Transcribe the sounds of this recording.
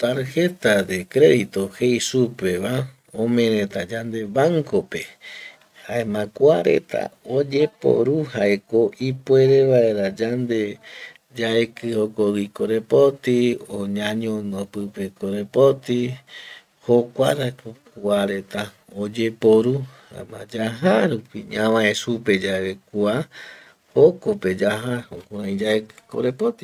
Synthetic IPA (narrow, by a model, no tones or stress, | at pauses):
t̪aɾhe̞t̪ad̪ekɾe̞ðit̪ohejsupe̞βa | õmẽɾẽt̪ad͡ʒand̪e̞βaŋkope | haemãkuaɾḛt̪ʰa̰od͡ʒe̞po̰ɾuhaeko̞ʔipwe̞ɾeβaeɾad͡ʒand̪e̞ | d͡ʒaekɨhokoɡikoɾe̞pot̪ioɲãɲõnõpɨpekoɾepot̪i | hokʷaɾakokuaɾe̞t̪a | od͡ʒe̞poɾu | ã̰mãd͡ʒaɦaɾupiɲãmãẽsuped͡ʒaβekua | hokope̞d͡ʒaɦahõkʷaãĩd͡ʒaekɨ̥ko̰ɾepot̪i̥